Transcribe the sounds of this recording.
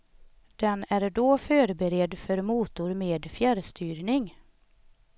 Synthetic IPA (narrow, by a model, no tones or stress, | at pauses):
d̪̥ɛnæɾɖoːfœːɾbɛɾɛd̪fœɾmuːt̪ʊɾmeːd̪fjæɾst̪yːɾnɪŋ